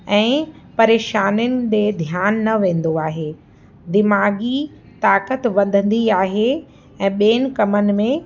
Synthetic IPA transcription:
ɛ̃ːpɐɾeːʃaːnʊnɪ̆d͡ʑeːd̪ʱjaːnːɐʋẽːn̆d̪oaːɦeː | d̪ɪmaːɡi | t̪aːkət̪ʋɐ̃nd̪ʱə̃n̆d̪iaːɦe | ɛ̃ːɓeːnɪ̆kɐmənɪ̆mẽ

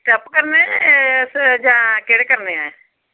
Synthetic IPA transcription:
ʈəpkəɾnesd͡ʒãːkeɽekəɾneae

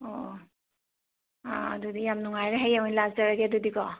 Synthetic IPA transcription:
o | aːdudijamnuŋajɾaɦejawnlaɡzaɾaɡeadudikɔ

